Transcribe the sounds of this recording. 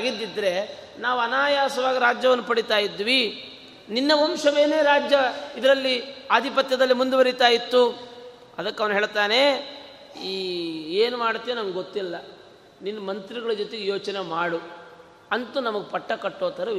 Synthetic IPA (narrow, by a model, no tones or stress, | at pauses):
aːɡid̪ːid̪ːɐɾe̞naːʋuɐnaːjaːsɐʋaːɡiɾaːd͡ʒjɐʋɐnːupɐɽit̪aːjid̪ʋi | ninːɐʋɔmʃɐʋe̞ːne̞ːɾaːd͡ʒjɐid̪ɐɾɐlːiaːd̪ʱipɐt̪jɐd̪ɐlːimund̪uʋɐɾit̪aːjit̪ːu | ɐd̪ɐkːɐʋɐnuɦe̞ːɭt̪aːne̞ | iːeːnumaːɽt̪ːienɐmɡɡot̪ːilːɐ | ninːɐmɐnt̪ɾiɡɐɭɐd͡ʒot̪eɡejo̞ːt͡ʃɐnemaːɽu | ɐnt̪unɐmɐɡepɐʈːɐkɐʈːoːt̪ɐɾɐ